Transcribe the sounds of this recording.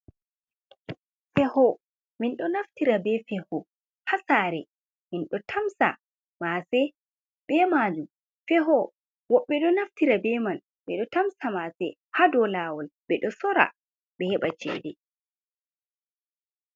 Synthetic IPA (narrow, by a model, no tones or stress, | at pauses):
fɛhɔ | minɗɔnaftiɾabɛfɛhɔ | hasaɾɛ | minɗɔtʰamsa̰ | masɛ | b̥ɛmad͡ʒum | fɛɦɔ | wɔɓːɛɗɔnaftiɾabɛman | ɓɛɗɔtamsamasɛ | hadɔlawɔlbɛɗɔsɔɾa̰ | ɓɛhɛɓat͡ʃɛ̰ːdɛ